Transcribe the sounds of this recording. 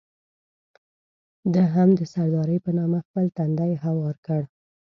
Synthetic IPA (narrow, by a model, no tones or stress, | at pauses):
d̪əɦamd̪əsaɾd̪ɑɾəjpənɑmaxpəlt̪and̪ajɦawɑɾkəɽ